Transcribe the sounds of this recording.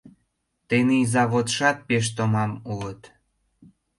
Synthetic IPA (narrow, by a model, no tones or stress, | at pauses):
t̪eneizɑβot̪ʃɑt̪̚peʃ̬t̪omɑmuət̪